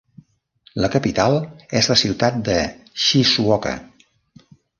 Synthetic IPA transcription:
ləkəpit̪alˠezləsiwt̪at̪̚d̪əʃisuɔkə̰

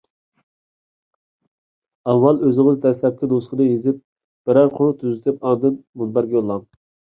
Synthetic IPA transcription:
ɑwːɑlˠøzɪŋɪzd̪ɛslɛp̚kʲɪnusχənɨjizɪp̚ | b̥ɪɾæɾqʰʊɾut̪ʰyzɪt̪ʰɪpɑnd̪ɨnmunbæɾɡʲɛjolˠːɑŋ

